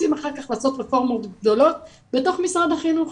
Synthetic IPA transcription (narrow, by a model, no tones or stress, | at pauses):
imaχaʁkaχlaːso̞tʁefoʁmot̪ɡd̪o̞lo̞t̚ | beto̞χmisʁad̪haχinuχ